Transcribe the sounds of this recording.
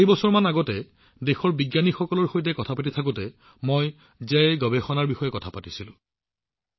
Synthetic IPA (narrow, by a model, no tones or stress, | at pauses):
ibɔsɔɹmanaɡɔtɛ | dexɔɹbiɡjanixɔkɔlɔɹxojt̬ɛkɔtʰapatitʰak̬utɛ | moj | zeɡɔbexɔnaɹbixɔjɛkɔtʰapatisilʊ̰̃